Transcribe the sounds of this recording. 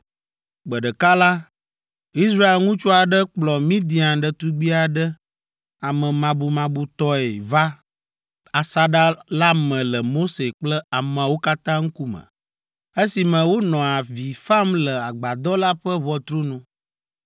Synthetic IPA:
ɡ͡bə˨ɖə˨ka˦la˦ | i˦sɾa˦e˨lŋũ˦t͡ʃu˦a˨ɖə˦k͡plɔ˨mĩ˦d̪i˨˦ã˨ɖə˨t̪u˦ɡ͡bi˦a˨ɖə˦ | a˨mə̃˨mã˨bu˨mã˨bu˨t̪ɔ˦e˨va˦ | a˨sa˦ɖa˦la˦mə̃˨lə˨mo˦se˨k͡plə˦a˨mə̃˨wo˦ka˦t̪ã˦ŋ̩˦ku˦mə̰̃˨ | e˦si˨mə̃˨wo˦nɔ̃˨a˨vi˨fa˦mlə˨a˨ɡ͡ba˨d̪ɔ˦la˦ɸə˦βɔ˦t̪ɾo˦nũ˦

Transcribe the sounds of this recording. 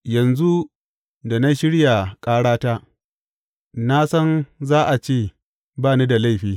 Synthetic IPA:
jɐ˨nzu˦ | da˨na˦ʃɪ˦ɽja˨kʼaː˦ɽaː˦ta˦ | na˦sɐ˦nzaː˦ʔa˨t͡ʃeː˦˨ | baː˦˨ni˦da˨la˦˨ɸiː˨

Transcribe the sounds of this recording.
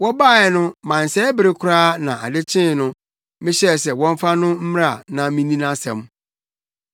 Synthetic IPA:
wɔ˦baː˦˨jɛ˨nʊ̃˦mã˨n̩˨sɛ˦bɪ˨ɾe˦kʰʊ˦ɾaː˦nã˨a˨dɪ˦t͡ɕʰɪ̃˦˨nʊ̃˦ | mɪ̃˦ɕɛ˦˨sɛ˨wɔ̃˦m˦fa˦nʊ̃˦m̩˦m̃˦a˨nã˨mĩ˦nĩ˦nã˦sɛ̰̃˨m

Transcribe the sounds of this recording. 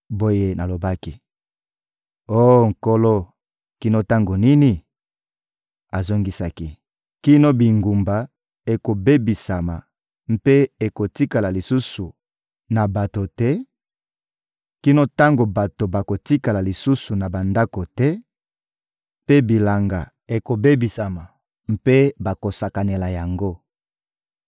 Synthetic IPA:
bo˦je˦na˨lo˨ba˦ki˦ | o˦˨ŋ̩˨ko˦lo˦ | ki˦no˦ta˦ŋɡo˨ni˦ni˨ | a˨zo˦ŋɡi˦sa˦ki˨ | ki˦no˦bi˨ŋɡu˨mba˨ | e˨ko˨be˦bi˨sa˨ma˨ | m̩˦pe˦e˨ko˨ti˦ka˨la˨li˨su˦su˨ | na˨ba˨to˨tɛ˦ | ki˦no˦ta˦ŋɡo˨ba˨to˨ba˨ko˨ti˦ka˨la˨li˨su˦su˨na˨ba˨nda˦ko˨tɛ˦ | pe˦bi˨la˨ŋɡa˨ | e˨ko˨be˦bi˨sa˨ma˨ | mpe˦ba˨ko˨sa˨ka˨ne˨la˨ja˨ŋɡo˦

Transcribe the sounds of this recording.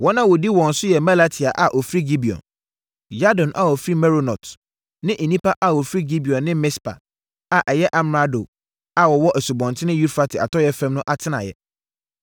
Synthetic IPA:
wɔ˦nã˦wɔ˨di˦wɔ̃˨n̩˨sʊ˦jɛ˨ma˦la˦tʰi˨a˨ʔa˨ʔɔ˨fɾi˦ɡi˦bi˨ɔ̰̃˨n | ja˦dɔ̃˨nʔa̰˨wɔ˨fɾi˦mɛ˦ɾo˦nɔ̰˨t | nɪ̃˦ʔi˨nĩ˦pʰa˦ʔa˨wɔ˨fɾi˦ɡi˦bi˨ɔ̃˨nːɪ̃˦mɪ˦spʰa̰˨ | a˨ʔɛ˨jɛ˦ʔa˨m˨ɾa˦do˨ | a˨wɔ˨wɔ˦ʔɛ˨su˨bɔ̃˨ntʰɪ˦nɪ̃˦ju˦fa˦tʰɪ˨a̰˨tʰɔ˦jɛ˦fɛ̃˦mnʊ̃˦ʔa˦tʰɪ˦nã̰˨jɛ̰˨

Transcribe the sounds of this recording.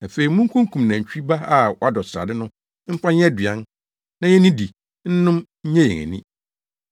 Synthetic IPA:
a˨fe˨i˨mũ˦ŋ̩˦kʰũ˦ŋ˦kʰũ˨mnã˨t͡ɕᶣi˦ba˦a˦ɔ˦a˦dɔ˨sɾa̰˨dɪ˦nʊ̃˦ | m̩˦pʰã˦ɲ˦ɛ˦dɥã˦n | nã˨jɛ˦nĩ˦di˨ | n̩˦nʊ̃˦mɲ̩˦ɲɛ̃˦jɛ̰̃˨ŋæ̰̃˨nḭ̃˦

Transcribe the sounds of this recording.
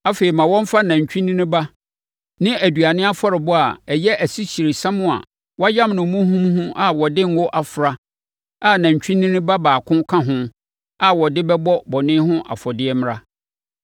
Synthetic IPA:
a˦fe˨i˨mã˨wɔ̃˦m˦fa˦nã˨ɲ̩˨t͡ɕᶣĩ˦nĩ˦nĩ˦ba˦ | nɪ̃˦ʔæ˨du˨a˨nɪ̃˦a˦fɔ˦ɾɪ˨bʊ˦a˨ɛ˨jɛ˦ʔæ˨si˦ɕi˨ɾe˨sã˦mʊ̃˦a̰˨ | wɔ˦a˦jã˦mnʊ̃˨˦mũ˦ɦũ˦mɦʊ̃˦ʔa˨wɔ˨dɪ˦ŋ̩˦wɔ˦ʔa˨fɾa˨ | a˦nã˨ɲ˨t͡ɕᶣĩ˦nĩ˦nĩ˦ba˦baː˨kʰʊ̃˦kʰã˦ɦʊ̃˦ | a˨wɔ˨dɪ˦bɛ˦bɔ˦bɔ˨nɪ̃˦ɦʊ̃˦ʔa̰˨fɔ˨dɪ˦ɛ˦m̃˦ɾa˦

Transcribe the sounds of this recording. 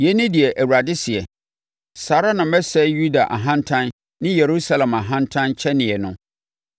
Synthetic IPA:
jɛ˦nɪ̃˦di˨ɛ˨ʔæ˨wu˨ɾa˨dɪ˦si˨ɛ˨ | saː˨˦ɾa˦nã˨m˦ɛ˦sɛ˦ju˦da˨ʔa̰˨ɦã˦ntʰã˦n | nɪ̃˦je˨ɾu˦sa˦˨lɛ̃˨ma˨ɦã˦ntʰã˦nt͡ɕʰɛ˦nɪ̃˨ɛ˨nʊ̃˦

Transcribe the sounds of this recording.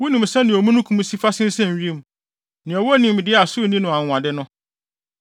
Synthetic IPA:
wu˦nĩ˨m˨sɛ˦nɪ̃˨o˨mũ˦nʊ̃˦kʰũ˨˦m̃˦si˦fa˦sɪ̃˦n̩˦sɛ̃˦˨n˨ɥi˦e˦m˨ | nɪ̃˨ɔ˨wɔ˦nĩ˨m˨dɪ˦a˨sʊ˦˨nĩ˦nʊ̃˨ã˨ã˨dɪ˦nʊ̃˦

